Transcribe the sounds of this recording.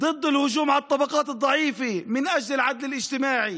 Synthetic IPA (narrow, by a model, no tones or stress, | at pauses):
d̪ˤɨd̪ˤːɪlhʊʒuːmʕalɑt̪ˤːɑbɑqɑːt̪ɨd̪ˤːɑʕiːfimɪnʔad͡ʒlɪlʕad̪lɪlʔɪd͡ʒt̪ɪmaːʕi